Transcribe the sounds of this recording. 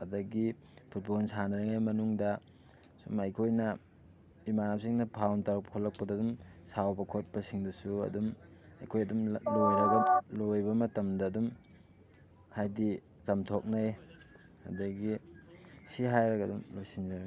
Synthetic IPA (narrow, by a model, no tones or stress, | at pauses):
ɐdɐɡi | pʰut̚bonsanɐɾɐŋajmɐnuŋdɐ | sṵmɐjkʰojnɐ | imanapsiŋnɐpʰawntaɾɐk̚pɐkʰolɐk̚pɐdɐdumsawbɐkʰot̚pɐsiŋdusuɐ̰dumɐ̰jkʰojɐdumlojɾɐɡɐlojbɐmɐtɐmdɐːdum | hajdi | t͡ʃɐmtʰok̚naj | ɐ̰dɐɡi | siɦajɾɐɡɐdumlojsind͡ʒɐɾŋ